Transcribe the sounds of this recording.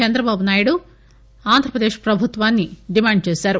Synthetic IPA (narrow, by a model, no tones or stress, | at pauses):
t͡ʃɛnd̪ɾɐbaːbunaːjuɽu | aːnd̪ʱɾɐpɾɐd̪e̞ːʂpɾɐbʱut̪ʋaːnːiɖimaːɳɖ̚t͡ʃeːsaːɾu